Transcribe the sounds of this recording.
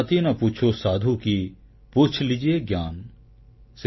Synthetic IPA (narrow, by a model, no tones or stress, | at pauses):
t̪inɐput͡ʃʰosaːd̪ʱuki | pʊt͡ʃʰlɪd͡ʒieːɡjaːn | s